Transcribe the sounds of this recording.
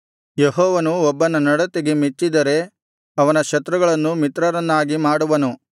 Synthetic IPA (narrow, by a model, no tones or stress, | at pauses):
jeɦɔːʋɐnuɔbːɐnɐnɐɽɐt̪eɡe̞mit͡ʃːid̪ɐɾe̞ | ɐʋɐnɐʃɐt̪ɾuɡɐɭɐnːumit̪ɾɐɾɐnːaːɡimaːɽuʋɐnu